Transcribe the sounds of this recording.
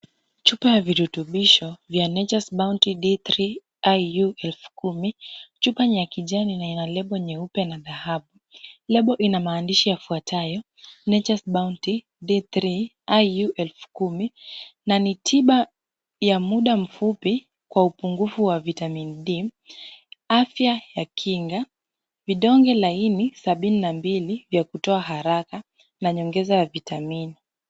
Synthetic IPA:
t͡ʃupajaviɾutuɓiʃɔvjanɛt͡ʃasɓauntiɗiθɾi | ajuɛlfu̥kumit͡ʃupaɲiakiʄaninainalɛɓɔɲɛupɛnaðahaɓu | lɛɓɔʔinamaːndiʃijafuatʰajɔ | nɛt͡ʃasɓaunti | ɗiθɾi | ajuʔɛlfu̥kuminanitʰiɓa | jamuɗam̩fupi | kwaupuŋɡufuwavitaminiɗi | afjajakʰiŋɡa | viɗɔŋɡɛlainisaɓininambilivjakutɔaɦaɾaka | naɲɔŋɡɛzavitamini

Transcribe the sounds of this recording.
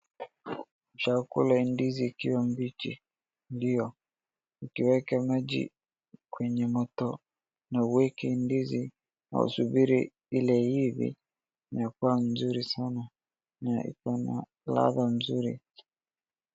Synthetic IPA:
uʃakulaindiziːkiwambit͡ʃḭ | ndiɔ | ikiwɛkamad͡ʒḭ | kwɛɲɛmɔtɔ | nauwɛkɛindizi | na̰ṵsubiɾi | ilɛhivḭ | nakwam̩zuɾisana | naḭkana̰ | la̰ðam̩zuɾḭ

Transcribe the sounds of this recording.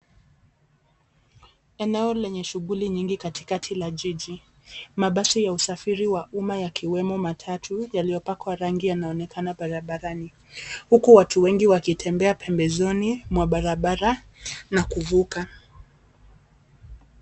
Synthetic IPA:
ɛnɛɔlɛɲɛʃuɣuliɲiŋɡikati̥katʰilaʄiʄi | maɓasijausafiɾiwaʔumajakʰiwɛmɔmatʰatʰujalijɔpakwaɾaŋɡijanaɔnɛkʰanaɓaɾaɓaɾani | hukuwatʰuwɛŋɡiwakitʰɛmbɛapʰɛmbɛzɔnimwaɓaɾaɓaɾa | nakuvuka

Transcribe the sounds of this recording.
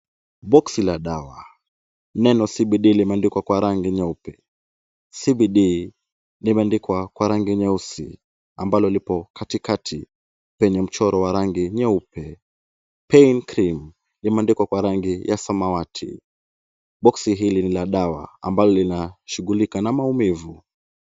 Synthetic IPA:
ɓɔksilaɗawa | nɛnɔsiɓiɗilimɛandikwakwaɾaŋɡiɲɛupɛ | sibiɗi | limɛandikwakwaɾaŋɡiɲɛusḭ | ambalɔlipɔkatikatʰi | pɛɲɛm̩t͡ʃɔɾɔwaɾaŋɡiɲɛupɛ | pɛinkɾim | limɛandikwakwaɾaŋɡijʔasamawatʰḭ | ɓɔksiɦilinilaɗawa̰a̰mbalɔlinaʃuɡulikanamaumivu

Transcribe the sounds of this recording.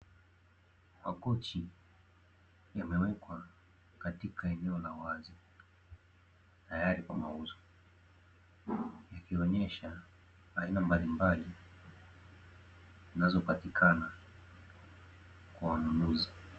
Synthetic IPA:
makɔt͡ʃi | jamɛwɛkwa | katikʰaɛnɛɔlawazi | tajaɾikwa̰ma̰uzɔ | jakiɔɲɛʃa | hainambalimbali | zinazɔpatikʰana | kwawanunuzi

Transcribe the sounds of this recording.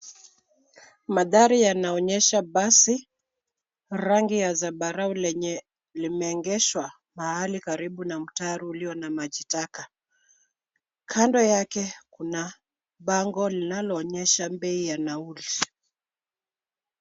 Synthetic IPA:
maðaɾijanaɔɲɛʃaɓasi | ɾaŋɡijazaɓaɾaulɛɲɛ | limɛːŋɡɛʃwa | mahalikaɾiɓunam̩taɾuːliɔnamaʄitaka | kʰandɔjakɛkuna | ɓaŋɡɔlinalɔːɲɛʃambɛijanauli

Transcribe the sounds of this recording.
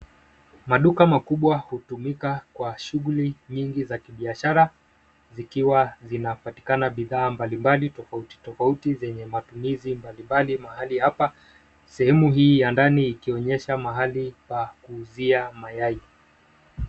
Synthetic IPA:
maɗukamakuɓwahutumikakwaʃuɣuliɲiŋɡizakiɓiaʃaɾa | zikiwazinapati̥kanaɓiðaːmbalimbalitɔfauti̥tɔfautizɛɲɛmatumizimbalimbalimaɦalihapa | sɛhɛmuɦiːjandaniːkiɔɲɛʃamaɦalikwakuːziamajai

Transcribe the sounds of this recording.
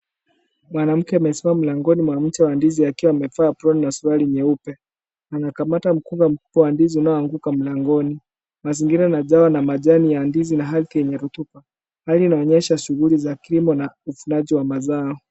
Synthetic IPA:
mwanam̩kɛamɛsɛmam̩laŋɡɔnimwam̩t͡ʃɛwandiziakiwamɛfaːpɾɔnnasuɾaliɲɛupɛ | anakamatam̩kupam̩ku̥pɔwandiziunaɔaŋɡukam̩laŋɡɔni | maziŋɡiɾaːnaʄawanamaʄanijandizinaɦalθiɛɲɛɾut̪upa | haliːnaɔɲɛʃaʃuɣulizakilimɔnaufunaʄiwamazaɔ

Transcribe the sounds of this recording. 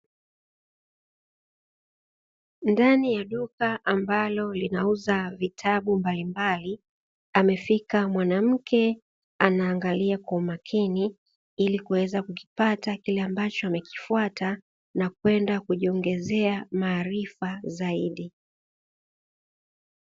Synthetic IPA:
ndanijaɗukaʔambalɔlinauzavitʰaɓumbalimbali | amɛfikamwanam̩kʰɛ | anaːŋɡaliakwaumakʰini | ilikuwɛzakuki̥patakilɛambat͡ʃɔamɛki̥fwata | nakwɛndakuʄiɔŋɡɛzɛamaːɾifazaiɗi

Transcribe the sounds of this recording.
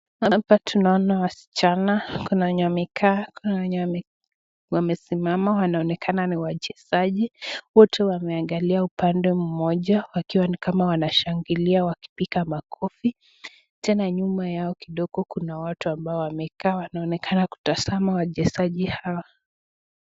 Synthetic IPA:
hapatunaɔnawasi̥t͡ʃanakunaɲamɛkʰaːkunaɲaɛ | wamɛsimamawanaɔnɛkʰananiwaʄɛsaʄiwɔtʰɛwamɛaŋɡaliaupandɛm̩mɔʄawakiwanikamawanaʃaŋɡiliawaki̥pikamakʰɔfi | tɛnaɲumajaɔkiɗɔɠɔkunawatuambaɔwamɛkaːwanaɔnɛkʰanaku̥tazamawaʄɛsaʄihawa

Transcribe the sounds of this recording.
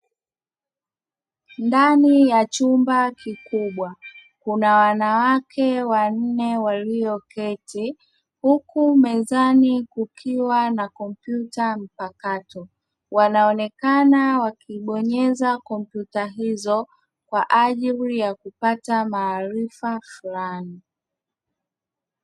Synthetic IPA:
ndanijat͡ʃumbakikuɓwa | kunawanawakʰɛwan̩nɛwaliɔkɛti | hukumɛzanikukʰiwanakɔmpjutam̩pakatɔ | wanaɔnɛkanawakiɓɔɲɛzakɔm̩pjutaɦizɔ | kwaʔaʄilijakupatamaːɾifafulani

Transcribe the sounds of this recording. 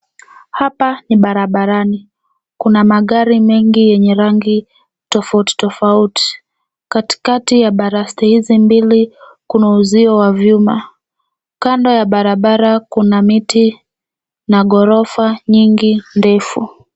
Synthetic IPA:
hapaniɓaɾaɓaɾani | kunamaɠaɾimɛŋɡijɛɲɛɾaŋɡi | tɔfauti̥tɔfauti̥ | kati̥katijaɓaɾastɛhizimbili | kunauziɔwavjuma | kandɔjaɓaɾaɓaɾakunamiti | naɠɔɾɔfaɲiŋɡindɛfu

